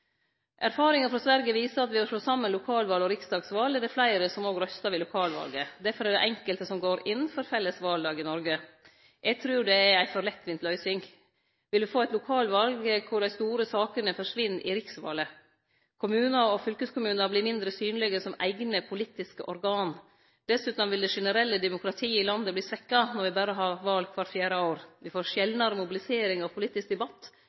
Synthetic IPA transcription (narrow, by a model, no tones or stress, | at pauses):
ʔæɾfɑːɾɪŋəfɾɑsʋæɾɡəʋiːsəɾɑt̪ʋɪhɑʂɭoːsɑmːənlʊkʰɑːlʋɑːlɔɾɪksd̪ɑːɡsʋɑːlɛd̪ɛflæɪɾəsɔmoːɡɾœst̪ɑʋɪlʊkʰɑːlʋɑ̰lɡəd̪æɾfɔɾɛɖ̪ɛ̰ʔɛŋkəlt̪əsɔmɡoːɾɪnn̩fɔɾfɛlːəsʋɑld̪ɑːɡɪnɔɾɡə | ʔɛɪɡt̪ʰɾʉːɖɛæɾæɪfɔɾlɛt̪ːʋɪnt̪lœʏsɪŋ | ʋɪld̪ʉfoːæɪt̪lʊkʰɑːlʋɑlɡəkʰʊɖæɪst̪uːɾəsɑːkənəfɔʂʋɪnːʔɪ̰ɾɪksʋɑ̰ːlə | kʰʊmʉːnɑɔfʏlkəskʰʊmʉːnɑbliːmɪnd̪ɾəsyːnlɪɡəsɔmæ̰ɪɡnəpʰʊlit̪ːɪskəʔɔɾɡɑːn | d̪̥ɛsʉːt̪ɑmʋɪld̪ɛʂɛnəɾɛlːəd̪ɛmʊkɾɑt̪ʰiːɪlɑnd̪əbliːsʋɛkːɑnɔɾʋɪbæːɾəɦɑːʋɑːlɡ̚kʰʋɑɾʈfjæːɾəoːɾʋɪfoːɾʂjɛlnɑɾəmʊbɪlɪseːɾɪŋɑʋpʰʊliːt̪ːɪsk̚d̪ɛbɑt̪ː